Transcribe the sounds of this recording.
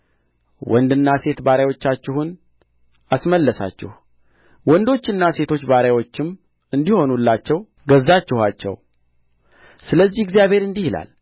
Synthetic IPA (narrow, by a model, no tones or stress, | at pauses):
wʔɔnd̪ɨnːase̞t̪baɾawo̞t͡ʃːat͡ʃːɪhun | asməlːəsa̰t͡ʃːɪ̰h | wɔnd̪o̞t͡ʃːɨnːase̞t̪ʰo̞t͡ʃːbaɾawo̞t͡ʃːɪm | ɨnd̪iho̞nulːat͡ʃːɛw | ɡəzːat͡ʃːɪhat͡ʃːɛ̰w | sɨləzːihɪɡzijaβheɾɨnd̪ihila̰l